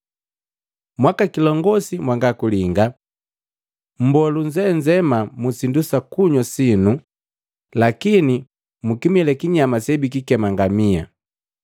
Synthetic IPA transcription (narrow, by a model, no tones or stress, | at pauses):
mwakakilɔŋɡɔsimwaŋɡakuliŋɡa | m̩bɔluɲd͡ʒɛɲd͡ʒɛmamusindusakuɲɔsinu | lakini | mukimilɛkiɲamasɛbik̬ikɛmaŋɡamia̰